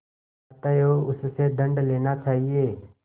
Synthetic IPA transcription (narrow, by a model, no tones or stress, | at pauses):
t̪əjoːʊsseːd̪ʱə̃ɳɖleːnaːt͡ʃaːɦieː